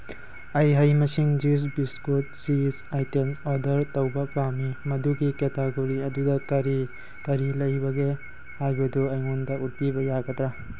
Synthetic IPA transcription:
ɐjɦɐjmɐsiŋd͡ʒis̬biskut̚zisajtemɔdɐɾtɐwbɐpamimɐduɡiketaɡoɾiɐdudɐkɐɾi | kɐɾilɐjbɐɡe | haɡuduɐjŋondɐut̚pibɐjaɡɐd̪ɾa

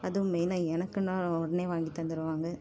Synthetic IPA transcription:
ɐðɯmeːnaːɛnɐkːɯnaːɔɽɐneːʋaːŋɡit̪ːɐnd̪ɪɾɯʋaːŋɡɐ

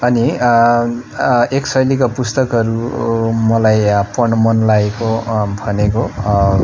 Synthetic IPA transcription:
ʌni | eksʌjlikapust̪ʌkʌɾumʌlajpʌɳʌmʌnlaekobʱʌneko

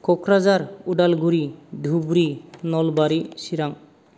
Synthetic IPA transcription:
kɔkɾazaɾuɖalɡuɾid̪ʱubɾinɔlbaɾisiɾaŋ

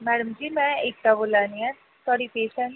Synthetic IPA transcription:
mɛːɽəmd͡ʒiːmɛ̃ːɪk̚t̪aːboːlãːniːɛː | t̪aːɽiːpeːʃɛ̃n

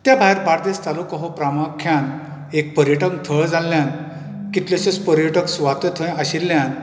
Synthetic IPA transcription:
t̪jabʱajɾbaɾd̪est̪alukəɦopɾamakʰːjan | ek̚pəɾjəʈə̃ŋɡt̪ʰəɭd͡zalːjãn | kit̪lɔɕəspəɾjəʈəksuʋat̪et̪ʰəj̃aɕilːjãn

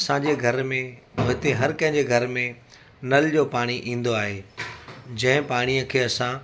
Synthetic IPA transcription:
ɐsãd͡ʑeːɡʱɐɾmẽmʊɦɪt̪eɦɐɾkɐ̃ɦɪ̃ɲd͡ʑeɡʱɐɾmẽ | nɐld͡ʑoːpaːɽ̃iʔĩːn̆d̪oaːɦeː | d͡ʑɐ̃ɦɪ̃paːɽ̃ijəkʰeːɐsã

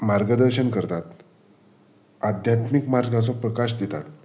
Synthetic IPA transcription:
maɾɡəd̪əɾɕənkəɾt̪at̪ | ad̪ʱjat̪mikmaɾɡãt͡sɔpɾəkaɕd̪et̪a̰t̪

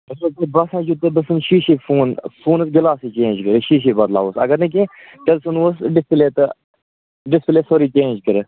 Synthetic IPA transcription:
ɐsɐt̪ɐbɐsãːd͡ʒut̪ed̪ɐsɨnʃiːʃifuːnfuːnɐsɡɐlaːsiːt͡ʃẽːnd͡ʒkəɾeʃiːʃ̬iːbɐd̪la̰ːʋosɐ̰ɡɐɾnɐk̬ʲẽ | ʈɐlsunʋosɖɪspleːt̪ɐ | ɖɪspleːsoɾiːt͡ʃẽːnd͡ʒkəɾe

